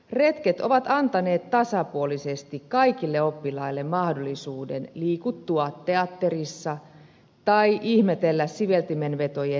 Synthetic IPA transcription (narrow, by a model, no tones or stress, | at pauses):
re̞t̪ket̪o̞ʋɑt̪ɑnt̪ɑne̞ːt̪t̪ːɑsɑpuolisest̪ikkɑikilːeo̞pːilɑilːe̞mmɑhdo̞lːˑisuːdḛnliːkut̪ːuɑt̪te̞ɑt̪ːe̞risːɑ | t̪ɑiʔihmet̪elːæssiʋe̞lt̪imenʋe̞t̪oje